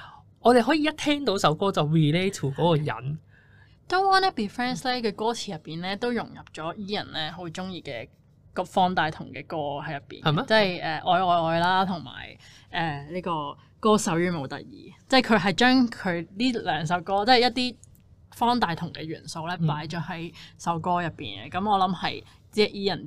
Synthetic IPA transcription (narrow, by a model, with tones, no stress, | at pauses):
ɔː˨˧t̪e˨jɦɔ˨˥jiː˨jɐ˥t̚t̪ʰɛː˥ŋt̪o˨˥wsɐ˨˥wkɔː˥t͡sɐ˨˩wɹiː˨le˥jt̪ʰuː˨˩kɔː˨˥kɔː˧jɐ̰˨˥n | t̪o˥wwaː˥nɛ˥piː˨fɛː˥nslɛː˥kʰɵ˨˧kɔː˥t͡sʰiː˨˩jɐ˨pːiː˨˩nlɛː˥t̪o˥wjʊ˨˩ŋjɐ˨˩p̚t͡ʃɔː˨˥jiː˥jɐ̰˨˩nlɛː˥ɦo˨˥wt͡ʃʊ˥ŋjiː˨˧kɛː˧ | kɔ˧˥fɔː˥nt̪aː˧jt̪ʰʊ˨˩ŋkɛː˧kɔː˥hɐ˨˥jɐ˨pːḭ˨˩nhɐ˨mɛ˥t͡sɐ˥˩jʔɛː˨˩ʔɔː˨˧jɔː˨˧jɔː˨˧jlaː˥t̪ʰʊ˨˩ŋma̰ː˨˩j | ʔɛː˨liː˥kɔː˧ | kɔː˥sɐ˨˥wjyː˨˥mo˨˩wt̪ɐ̰˨k̚jḭː˨˩t͡sɐ˥˩jkʰɵ˨˧ɥɦɐ˨jt͡ʃœː˥ŋkʰɵ˨˧ɥliː˥lœː˨˧ŋsɐ˨˥wkɔː˥t͡sɛː˥˩jɐ˥t̪̚iː˥ | fɔː˥nt̪aː˧jt̪ʰʊ˨˩ŋkɛː˧ɥy̰ː˨˩nso˧wlɛː˥paː˨˥jt͡ʃɔː˨˥hɐ˨˥jsɐ˨˧˥wkɔː˥jɐ˨pːḭː˨n˧kɐ˨˧mɔː˨˧lɐ˨˧˥mhɐ̰˨j | t͡si˥ɐ˨ʔjiː˥jɐ˨˩n